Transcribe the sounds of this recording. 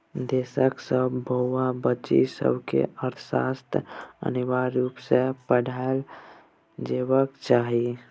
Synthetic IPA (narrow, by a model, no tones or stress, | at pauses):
d̪eːsəksəbbəɦʊabət͡ʃḭsə̰bkḛəɾt̪ʰsa̰ːst̪ʰə̰niwaɾːuːpsepəɽʱal | d͡ʒeːwəkt͡ʃaːɦi